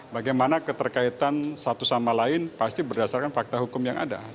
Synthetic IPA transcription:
baɡajmanakət̪ərkait̪ansat̪usamalaɪnpast̪ibərdasarkanfak̚t̪aɦukʊmjaŋʔa̰da̰

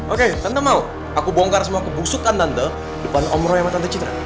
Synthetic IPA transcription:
ʔoket̪ant̪əmau | akubɔŋkarsəmuakubusukant̪ant̪ə | dəpanɔmɾɔjamat̪ant̪ət͡ʃit̪ɾa̰

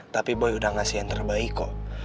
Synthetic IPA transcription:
t̪apibojudaŋasiant̪ərbaiko

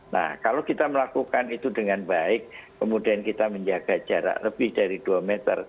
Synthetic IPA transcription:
na̰hkalokit̪aməlakukanit̪udəŋanbaɪkː | əmudiankit̪aməɲd͡ʒaɡ̥ḁd͡ʒaɾa̰ʔləbɪhd̥aɾid̥uamet̪ə̰r

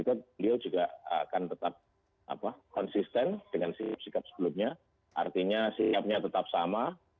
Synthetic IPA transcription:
it̪ubəliawd͡ʒuɡaʔə̰akant̪ət̪ap̚ | ʔa̰pakɔnsist̪ɛnd̥əŋansikap̚sikap̚sə̥bəlumɲa | ʔa̰rt̪iɲasiap̚ɲat̪ət̪ap̚sama

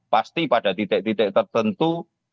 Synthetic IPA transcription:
past̪ipaɖa̤t̪it̪ɪʔ̚t̪it̪ɪʔ̚t̪ərt̪ənt̪u

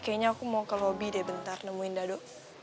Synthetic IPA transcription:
kaiɲaːkumakəlobidabənt̪arnəmuɪndado

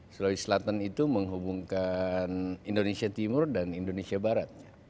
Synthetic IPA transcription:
səlalisəlat̪anit̪uməŋɦubuŋkanindonesiat̪imʊrdanindonesiabaɾat̪̚ɲa

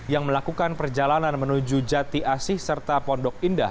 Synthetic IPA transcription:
jaŋməlakukanpərd͡ʒalananmənud͡ʒud͡ʒat̪iʔasɪhsərt̪apɔndɔk̚indah

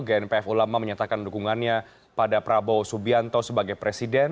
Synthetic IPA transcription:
ɡɛnpeɛfulamaməɲat̪akandukuŋanɲa | padapəɾabɔwsubiant̪osəbaɡajpɾesidɛn

